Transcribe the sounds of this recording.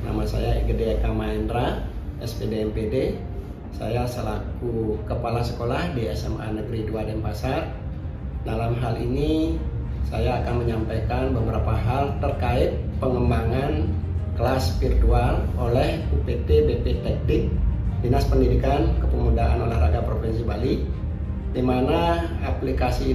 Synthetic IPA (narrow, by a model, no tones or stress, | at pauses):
na̰masa̰jaḭɡədekamaɛndɾaɛspedeɛmpede | sa̰jasəlakukəpalasə̥kolahdiɛ̰sɛ̰ma̰nəɡɾiduadɛnpasar | dalamɦalini | sa̰jaːkanməɲampajkanbəbəɾapaɦalt̪ərkaɪt̪̚pəŋəmbaŋan | klasfirt̪ualolɛh | upet̪ebep̪et̪ɛk̚nɪk̚dənaspəndidikankəpəmudaʔanolɛhraɡapɾofinsibali | dimanaaplikasiː